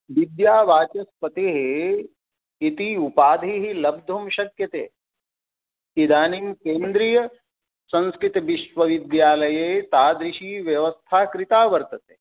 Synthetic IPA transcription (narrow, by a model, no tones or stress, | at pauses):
ʋid̪jaːʋaːt͡ʃɐspɐt̪eɦe | it̪iupaːd̪ʱiːɦilɐb̚d̪ʱumʃɐkjɐt̪ḛː | id̪aːnimkeːnd̪ɾijɐ | sɐ̃nskɾɪt̪ʋiʃʋɐʋid̪jaːlɐjeːt̪aːd̪ɾɪʃiːʋjɐʋɐst̪ʰaːkɾɪt̪aːʋɐɾt̪ɐt̪eː